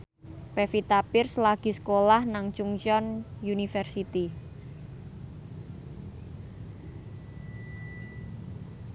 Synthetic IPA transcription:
pɛfit̪apɪrslaɡ̥i̤sə̥kolahnaŋt͡ʃuŋt͡ʃɔnjunifɛrsit̪i

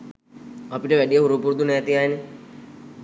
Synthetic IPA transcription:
ɐpiʈəʋæɗijəɦuɾupuɾd̪unɛːt̪iaːene

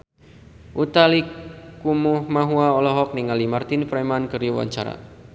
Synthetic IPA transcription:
ʔut̪alikumuhmaɦuaɔlɔɦɔk̚niŋalimart̪infɾamankərjuwa̰ɲt͡ʃaɾa̰

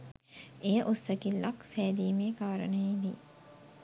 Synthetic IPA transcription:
ejəʔosːɐkilːaksɛːd̪iːmeːkaːɾə̰nəjed̪ḭː

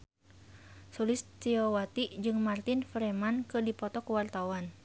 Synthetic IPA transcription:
sulist̪iɔwat̪id͡ʒɨŋmart̪infɾɛmankɨrdipɔt̪ɔkwart̪awan

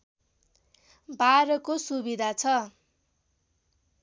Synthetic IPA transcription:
baɾʌkosubid̪ʱat͡sʰʌ

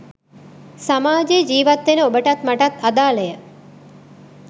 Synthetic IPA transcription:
samaːd͡ʒeːd͡ʒiːʋat̪ːʋenəobəʈɐt̪maʈat̪ad̪aːləjə

